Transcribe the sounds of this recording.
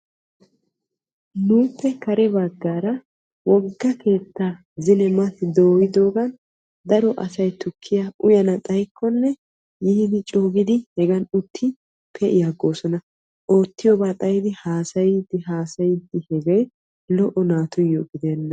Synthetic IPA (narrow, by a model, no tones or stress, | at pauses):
nuːpːɛkɐɾɛbɐɡːaːɾɐ | wɔɡːɐke̞ːt̪ːaː | zɪnɛmɐt̪ɪd̪o̞ːjɪd̪o̞ːɡɐn | d̪ɐɾɔʔɐsɐjt̪ʊkʰːɪjaʊjɐnɐt̪ʼɐjkʰːɔnːɛ | jiːd̪ɪt͡ʃʼoːɡɪd̪ɪhɛɡɐnʊt̪ʰːɪ | pʰɛʔɪjaɡo̞ːsɔnɐ | ʔo̞ːt̪ːɪjɔbaːt̪ʼɐjɪd̪ɪhaːsɐjɪd̪ːɪɦaːsɐjɪd̪ːɪhɛɡɐj | lɔʔɔnaːt̪ʊjːɔɡɪd̪eːnːɐ